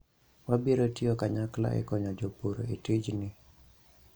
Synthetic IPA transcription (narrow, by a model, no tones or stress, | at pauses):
wabiɾotiokaɲakla̰ʔɛ̰kɔɲɔd͡ʒopoɾo̰itɪd͡ʒnɪ